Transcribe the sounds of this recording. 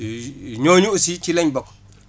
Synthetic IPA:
ɲoɲuʔsit͡ʃilɛɲbɔk̚

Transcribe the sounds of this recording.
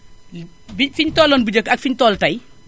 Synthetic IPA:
bifiɲtɔːlːɔːnbud͡ʒəkːɐk̚fiɲtɔːltɐj

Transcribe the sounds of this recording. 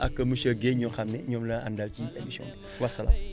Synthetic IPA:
akəmɨʃəɡeɲoxamnɛɲomləa̰ndalt͡ʃiemisiõ̰iwasala̰m

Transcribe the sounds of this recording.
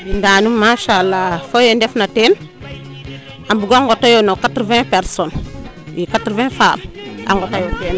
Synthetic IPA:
bindanumaʃalːafojendefnaten | ambuɡaŋɡotajonokatɾvɛ̃peɾson | wikatɾvɛ̃fama̰ŋɡotajoten

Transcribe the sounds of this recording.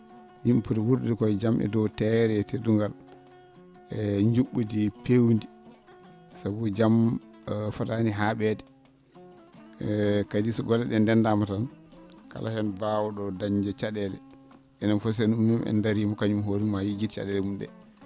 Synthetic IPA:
jimputiwuɾdikɔjd͡ʒamʔɛ̰dɔwtɛɾɛteduŋɡal | ɛɲd͡ʒuɓːudipewndi | sabud͡ʒam | fataniɦaːɓɛdɛ | kadisɔɡɔlːɛɗɛndɛndamatanka̰lʔa̰hɛnbaːwɔɗɔdaɲd͡ʒɛt͡ʃaɗɛlɛ̰ | ʔɛnanfɔs̬ɛnumːimɛ̰ndaɾiːmɔkaɲumɦoɾimːajid͡ʒitt͡ʃa̰ɗɛlɛmumɗɛ̰

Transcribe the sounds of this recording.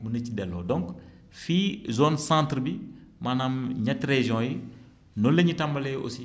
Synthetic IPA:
bunɐcːidɛlːɔ̰ːdɔ̃ŋk | fiːzoːnsãːntɾbimanamɲɐtreʒɔ̃ːji | nɔlːeɲitɐmbɐlɛːo̰si

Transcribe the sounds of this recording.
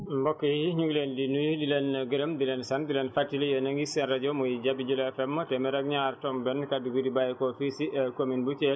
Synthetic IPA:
mbɔkːɔjiɲuɡlɛndinujdilɛnɡəɾəmdilɛnsandilɛnfatːilɛjɔnaŋɡisɛnɾad͡ʒɔmujid͡ʒabid͡ʒulɛfɛmːɔtɛmɛɾaɡɲaɾtɔmbɛnkaduɡudibajɛkɔfisiɛkominbut͡ʃɛl

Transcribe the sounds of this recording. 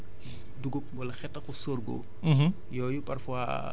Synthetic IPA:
duɡop̚bɔlɐxɛtːɐkusorɡo̰ | jɔjupɐrfwa̰

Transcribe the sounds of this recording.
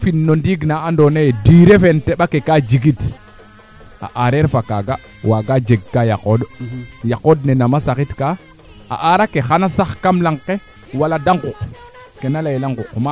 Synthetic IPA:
finːondiɡnaandonejediɾefenteɓakekad͡ʒiɡit | a̰ʔaɾeɾfakaɡa | waɡad͡ʒeɡːajakodjakodnenamasakitka | a̰ʔaɾakexanasaxkamlaŋkːe | waladaŋɡuk | kenalajelaŋɡukma

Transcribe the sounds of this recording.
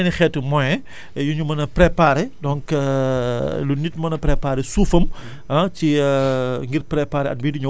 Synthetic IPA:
nixɛtːumɔjɛ | juɲumɐnɐpɾɛpaːɾedɔŋkː | lunitmɐnɐpɾɛpaːɾesuːfɐm | ɐci | ŋɡiɾpɾɛpaːɾɛɐ̰t̚biːdiɲu

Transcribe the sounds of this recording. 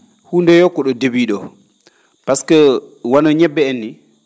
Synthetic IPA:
hundɛjɔkːɔɗɔdebiːɗɔ | paskɛwanɔɲɛbːɛːnːi

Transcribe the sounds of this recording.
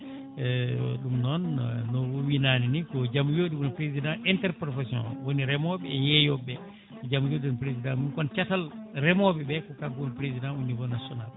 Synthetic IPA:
ɗumnɔnnɔwɔwinaninikɔd͡ʒamujoɗimɔnapɾezidãʔɛntɛɾpɾɔfɛsɔ̰n̰woniɾɛmɔɓɛɛjɛjɔbɛ | kɔd͡ʒamujoːdiɔnpɾezidãmunkɔnt͡ʃatalrɛmɔɓɛbɛkɔkaonpɾezidãunivɔnasɔnal

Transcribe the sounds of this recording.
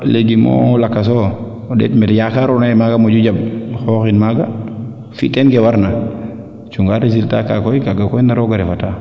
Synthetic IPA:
leɡimo̰lakːas̬ɔ | dɛ̰tmɛtjakaɾɔnaɛmaɡamod͡ʒud͡ʒab̚xɔːxinmaɡa̰ | fitɛnkɛwaɾna | t͡ʃuŋɡaɾes̬ilta̰ka̰kɔjkaɡakɔjndaɾɔɡaɾɛfata

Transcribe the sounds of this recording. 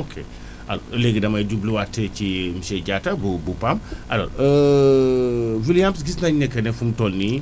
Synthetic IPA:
okʰe | a̰lɔleɡidɐmɐɟubliwatʰːɛt͡ʃimiʃɛɟatɐbubupamɐlɔ̰ɾə | vilijamsɡisnaɲnɛkːɐnɛfumtɔlni

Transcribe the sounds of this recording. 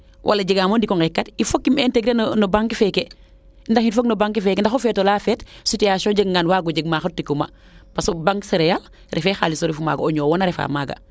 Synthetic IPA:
wʔa̰laɟiɡamondikɔŋɡekːatifokːimeːnteɡɾennobaŋkifeke | ndaxinfoknobaŋkifekendaxofetolafeːtsutijasoɟeɡŋɡanwaːɡoɟeɡ̚maxətːikuma̰ | pasobaŋseɾejal | ɾefexaːlisoɾifuma̰ːɡoɲoːwonaɾefa̰maːɡa̰

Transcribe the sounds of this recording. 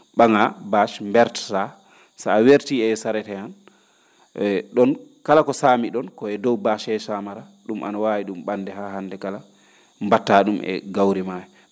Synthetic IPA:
ɓaŋabaʃmbɛɾtḁta | saːweɾtiɛsaɾɛtɛan | ɗɔnkalakɔsaːmiɗɔnkɔɛdɔwbaʃɛsamaɾa | ɗumʔa̰nawawiɗumɓandɛhaɦandɛkala | mbatːaɗumʔɛ̰ɡawɾimajɛ

